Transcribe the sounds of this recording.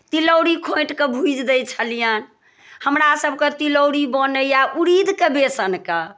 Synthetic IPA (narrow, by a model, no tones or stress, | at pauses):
t̪iləwɾikʰõjʈkebʱud͡ʒd̪ɛt͡ʃʰəlijan | həmɾasəbket̪iləwɾibənəjaʔuɾid̪ʱkebesənke